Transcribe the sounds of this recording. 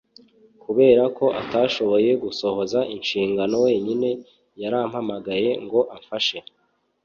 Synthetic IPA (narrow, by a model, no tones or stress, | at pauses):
kuβe̞ːɾako̞ʔataʃo̞βo̞je̞ɡuso̞ho̞zaʔinʃiːŋɡano̞we̞ːɲine̞ | jaɾaːm̥hamaɡaje̞ŋɡo̞ʔaɱfaʃe̞